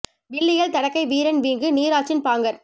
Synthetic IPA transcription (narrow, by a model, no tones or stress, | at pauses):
ʋɪɭːɪɣɐɭt̪ɐɽɐkːɐɪʋiːɾɐnʋiːŋɡɯniːɾaːt͡ʃːɪnpaːŋɡɐɾ